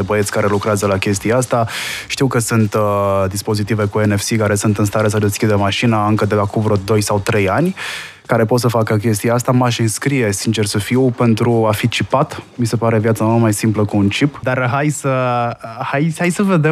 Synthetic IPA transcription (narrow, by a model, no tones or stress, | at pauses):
ebəet̪sʲkaɾe̞lukɾeazəlakʲe̞st̪iaast̪aʃt̪iwkəsunt̪d̪ispo̞zit̪ive̞kuenefsikaɾe̞sunt̪ɨnst̪aɾes̬əd̪e̞skʲid̪əmaʃinaɨŋkəd̪eakuvɾod̪o̞jsawt̪ɾe̞janʲ | kaɾe̞p̬o̞t̪səfakək̬ʲe̞st̪ijaast̪amaʃɨnskɾije̞sint͡ʃe̞rsəfipe̞nt̪ɾuafit͡ʃipat̪mise̞paɾe̞vjat̪samomajsimpləkuːnt͡ʃipd̪arɦajsə | hajajsəve̞d̪e